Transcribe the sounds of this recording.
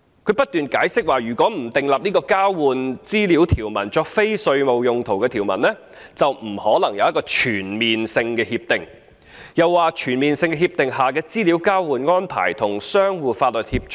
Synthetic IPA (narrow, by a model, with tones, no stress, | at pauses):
kʰɵ˨˧ɥpɐ˥t̚t̪yː˨nkaː˨˥jsɪ˥k̚waː˨˩jyː˨˩kʷwɔː˨˥m̩˨˩t̪ɪ˨ŋlɐ˨p̚niː˥kɔː˧kaː˥wwuː˨nt͡siː˥liː˨˥wt̪ʰiː˨˩wmɐ˨˩nt͡ʃɔː˧k̚fe˥jsɵ˧ɥmo˨wjʊ˨˧ŋt̪ʰo˨˩wkɛː˧t̪ʰiː˨˩wmɐ̰˨˩nlɛː˥ | t͡sɐ˨wm̩˨˩hɔː˨˥lɐ˨˩ŋjɐ˨˧wjɐ˥kɔː˧t͡ʃʰyː˨˩nmiː˨nsɪ˧ŋkɛː˧hiː˧p̚t̪ɪ˨ŋ | jɐ˨˩wːaː˨˧t͡ʃʰyː˨˩nmiː˨nsɪ˧ŋkɛː˧ɦiː˧p̚t̪ɪ˨ŋhaː˨˩kɛː˧t͡siː˥liː˨˥wkaː˥wwuː˨nŋɔː˥npʰa̰ː˨˩jt̪ʰʊ˨˩ŋsœː˥ŋwuː˨˧faː˧t̚lɵ˨t̚hiː˧p̚t͡ʃ